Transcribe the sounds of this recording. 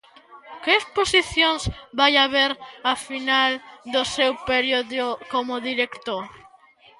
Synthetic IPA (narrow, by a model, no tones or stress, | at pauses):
kɪːsposiθjoŋzbajaβeɾafinald̪ʊsewpeɾjoðokomʊðiɾekt̪oɾ